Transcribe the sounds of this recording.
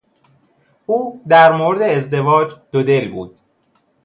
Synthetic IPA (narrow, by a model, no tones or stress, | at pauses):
ʔuːd̪æɾmoːɾed̪eːzd̪e̞vɒːd͡ʒd̪̥od̪e̞lbuːd̪̥